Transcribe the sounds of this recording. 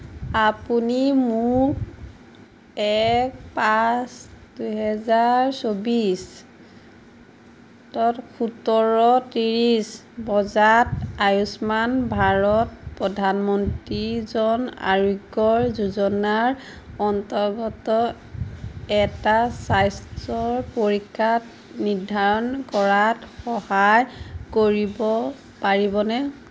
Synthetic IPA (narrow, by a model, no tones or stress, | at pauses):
apunimu | ɛkpasduɦɛzaɹsobis | tɔtkʰutɔɹɔtiɹis | bɔzatajusmanbʱaɹɔt̚pɹɔdʱanmɔntɹizɔna̰ɹiɡɔɹzuzɔnaɹ | ɔntɔɹɡɔtɔ | ɛtasajstɔɹpoɹikʰːat | niɹdʱaɹɔnkɔɹatxɔhajkoɹibɔ | paɹibɔnɛ